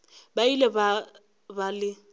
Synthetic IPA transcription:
baileba | balɪ

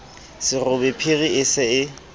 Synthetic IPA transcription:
sɪrʊbɪpʰiɣiɪsɪɪ

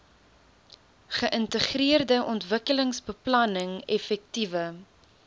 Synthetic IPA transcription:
χəʔəntəχriərdəʔɔntvəkələŋsbəplɐnəŋɛfɛk̚tivə

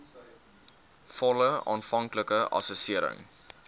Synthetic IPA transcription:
fɔləɑːnfɐŋkləkəʔɐ̰sosiəɾə̰ŋ

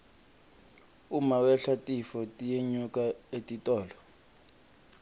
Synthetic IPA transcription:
umawɛɬatʼifɔtʼijeɲukʼaetʼitʼɔːlɔ

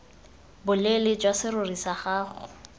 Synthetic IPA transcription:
bʊlelɪt͡ʃʼwasɪrʊrisaχaːχʊ̰

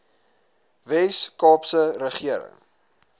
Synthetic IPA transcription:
vɛskɑːpsəɾəχiəɾə̰ŋ

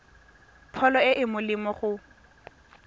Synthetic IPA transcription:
pʰɔlɔɪʔɪmʊlɪmɔχʊ

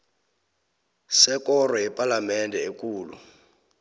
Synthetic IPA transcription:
sɛk̬ʼɔrwɛɦɛpʼalamɛndʱɛekʼuːlṵ

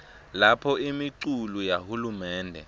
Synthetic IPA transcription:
lapʰɔimiǀulujahulumɛːndʱɛ̰

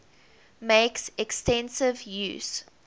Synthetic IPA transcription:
meɪksɛkstɛ̃nsɪvjʉ̰ːs

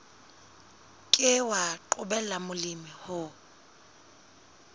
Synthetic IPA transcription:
kʼɪwaǃʊbɛlamʊlimihʊ

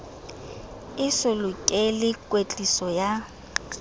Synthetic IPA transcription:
ɪsʊlʊkʼelɪkʼwet͡ɬʼisɔja

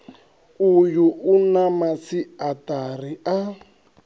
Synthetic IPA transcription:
ujuʔunamasiatariʔa

